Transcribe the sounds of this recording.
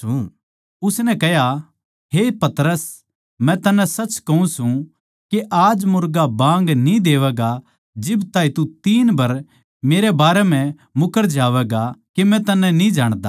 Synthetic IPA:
u | ʊsnɛkɐja | ɦepɐt̪ɾəs | mɛ̃t̪ɐnːɛ̃sɐt͡ʃkɐũsũ | keʔaːd͡ʒmʊɾɡabãːŋ̆ɡnĩd̪eːʋɛɡa | d͡ʒɪbt̪aːit̪ut̪iːnbɐɾ | meːɾebaːɾɛm̤ɛ̃ | mʊkəɾd͡ʒaːʋɛːɡakimɛ̃t̪ɐnːɛ̃nĩd͡ʒaːɽ̃d̪aː

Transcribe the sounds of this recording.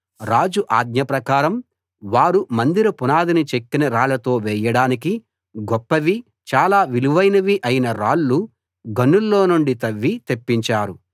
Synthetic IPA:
ɾaːd͡ʒuʔaːd̪̚ɲɐpɾɐkaːɾɐm | ʋaːɾumɐnd̪iɾɐpunaːd̪init͡ʃekːinɐɾaːlɐt̪o̞ːʋɛːjɐɽaːniki | ɡɔpːɐʋi | t͡ʃaːlaːʋiluʋɐjnɐʋiʔɐjinɐɾaːlːu | ɡɐnːulːo̞ːnuɳɖit̪ɐʋːit̪e̞pːiɲt͡ʃaːɾu

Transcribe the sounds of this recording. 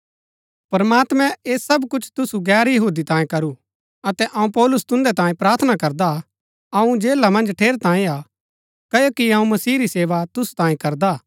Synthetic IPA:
pɐɾmaːt̪mɛ̃eːsɐbkʊt͡ʃʰt̪ʊsuɡɛːɾjɐɦuːd̪it̪ãːẽkɐɾu | ɐt̪ɛʔɐũpɔːlʊst̪ʊ̃nd̪ɛt̪ãːẽpɾaːɾt̪ʰənakɐɾd̪a | ɐũd͡ʒeːlamɐ̃nd͡ʒʈʰeːɾt̪ãːĩa | kɐjokiɐũmɐsiːɾiseːʋat̪ʊst̪ãːĩkɐɾd̪a

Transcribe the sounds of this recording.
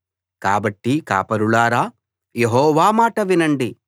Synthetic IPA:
kaːbɐʈːika̰ːpɐɾuɭaːɾaː | jeɦɔːʋaːmaːʈɐʋinɐɳɖi

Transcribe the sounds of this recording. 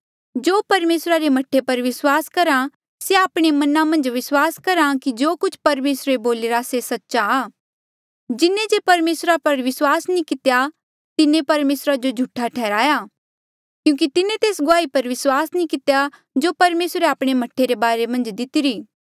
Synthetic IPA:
d͡ʒoːpɐɾmeːsɾaɾemɐʈʰːepɐɾʋɪswaːskɐɾa | seaːpɽ̃emɐnamɐ̃nd͡ʒʋɪswaːskɐɾakid͡ʒoːkʊt͡ʃʰpɐɾmeːsɾeboːlɪɾasesɐtːʃaː | d͡ʒɪnẽd͡ʒepɐɾmeːsɾapɐɾʋɪswaːsnĩkɪt̪eja | t̪ɪnẽpɐɾmeːsɾad͡ʒod͡ʒʱʊʈʰaʈʰɛːɾaːja | kjũːk̬it̪ɪnẽt̪eːsɡʊaːipɐɾʋɪswaːsnĩkɪt̪eja | d͡ʒoːpɐɾmeːsɾeaːpɽ̃emɐʈʰːeɾebaːɾemɐ̃nd͡ʒd̪ɪt̪ɪɾiː

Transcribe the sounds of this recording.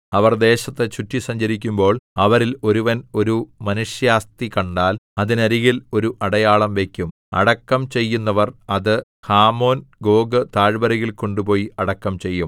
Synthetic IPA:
ɐʋɐrd̪e̞ːɕɐt̪ːet͡ɕutːisɐɲd͡ʑɐɾikʲːumbo̞ːɭɐʋɐɾilo̞ɾuʋɐno̞ɾumɐnuʂjaːst̪ikɐɳɖaːlɐðinɐɾiɣilo̞ɾuʔɐɽɐjaːɭɐmʋe̞kʲːum | ɐ̰ɽɐkːɐmt͡ɕe̞jːunːɐʋɐrɐðɨ | haːmo̞ːnɡo̞ːɡɨt̪aːɻbɐɾɐjilko̞ɳɖupo̞ːjiɐɽɐkːɐmt͡ɕe̞jːum

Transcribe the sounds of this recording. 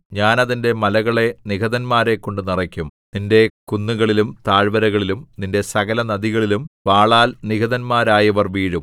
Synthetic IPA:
ɲaːnɐðinde̞mɐlɐɣɐɭe̞niɣɐðɐnmaːɾe̞kːoɳɖɨnirɐkʲːumninde̞kunːuɣɐɭilumt̪aːɻbɐɾɐɣɐɭilumninde̞sɐɣɐlɐnɐðiɣɐɭilumpaːɭaːlniɡɐðɐnmaːɾaːjɐʋɐrʋiːɻum

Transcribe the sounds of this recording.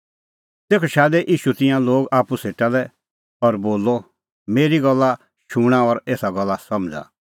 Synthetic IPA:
t̪eːkʰɔʃaːd̪ɛʔiːʃut̪ɪ̃jãloːɡaːpuseːʈalɛ | ɔɾboːlːɔ | meːɾiɡɔlːa | ʃuɽ̃aɔɾeːsaɡɔlːasɐmd͡za̰

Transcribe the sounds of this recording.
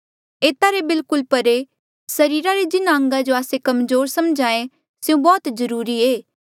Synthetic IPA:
eːt̪aɾebɪlkʊlpɐɾe | sɐɾiːɾaɾed͡ʒɪnaə̃ŋɡad͡ʒoaːsekɐmzoːɾsɐmd͡ʒaːẽ | sɪũbɔːt̪zɐɾuːɾieː

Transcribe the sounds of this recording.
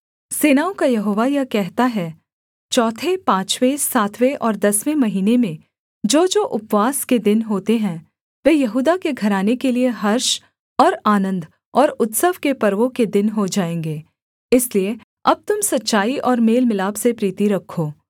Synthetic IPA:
seːnaːõkajɐɦoːʋajakɛɦt̪aɦɛː | t͡ʃɔːt̪ʰepãːt͡ʃʋẽsaːt̪ʰʋeʔɔːɾd̪ɐsʋẽmɐɦiːnemẽ | d͡ʒoːd͡ʒoːʔʊpʋaːsked̪ɪnɦoːt̪eɦɛ̃ | ʋeːjɐɦuːd̪akeɡʱɐɾaːnekelieɦɐɾʃ | ɔːɾaːnə̃nd̪ | ɔːɾʊt̪səʋkepɐɾʋõked̪ɪnɦod͡ʒaːẽːŋɡeː | ɪslie | ɐb̚t̪ʊmsɐtːʃaːiʔɔːɾmeːlmɪlaːbsepɾiːt̪iɾɐkʰːoː

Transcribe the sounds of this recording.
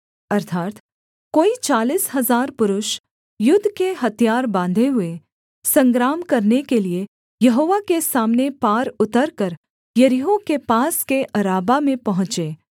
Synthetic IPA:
ɐɾt̪ʰaːt̪ | koːit͡ʃaːliːsɦɐzaːɾpʊɾʊʃ | jʊd̪ʱːkeɦɐt̪ijaːɾbãːnd̪ʱeɦʊe | sɐ̃ŋɡɾaːmkɐɾnekelie | jɐɦoːʋakesaːmnepaːɾʊt̪əɾkəɾ | jɐɾiɦõkepaːskeʔɐɾaːbamẽpɐɦʊ̃t͡ʃeː

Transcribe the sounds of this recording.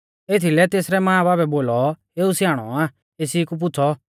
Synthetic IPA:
eːt̪ʰilɛt̪eːsɾɛmãːbaːbɛboːlɔ | eːusɪjaːɽ̃ɔ̰aː | eːsiːkup̬ʊt͡sʰɔ

